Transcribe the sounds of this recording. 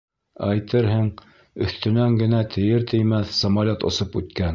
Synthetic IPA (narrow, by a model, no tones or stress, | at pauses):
æjt̪ɤɾɦɘŋ | ɵ̆θt̪ɵ̆næŋɡɘ̆næt̪ʰɘ̆jɘɾt̪ɘ̆jmæθsɐmalʲot̪ŏ̰sɤpʉt̪kæn